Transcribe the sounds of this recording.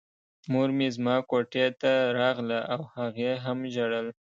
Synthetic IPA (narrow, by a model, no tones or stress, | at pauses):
moɾmezmɑkoʈet̪aɾɑɣlaʔawhaɣeɦamʒaɽəl